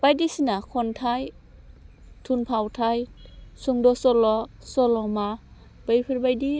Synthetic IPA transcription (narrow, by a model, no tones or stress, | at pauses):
b̥ajdisinakʰɔntʰaj | tʰunpʰawtʰajsuŋdɔsɔlɔ | sɔlɔma | b̥ɯjpʰɯɾbajdi